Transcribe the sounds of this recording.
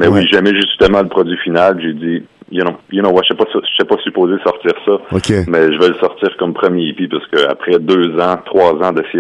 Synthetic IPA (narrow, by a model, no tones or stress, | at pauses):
mɛwiʒɛmɛʒyst̪əmɑ̃ləpχɔd̪zɥifinalpiʒedd͡z̪i | jənɔ̃jənɔ̃waʃɛpɔsɔʃɛpɔsypoːzed̪əsɔʁt̪iːʁsɔokʲemɛʒəvəlsɔʁt̪iːʁkɔmpχəmjepipaʁsə̥kʲəa̰pχɛd̪øːzɑ̃t̪χwɑzãd̪ɛs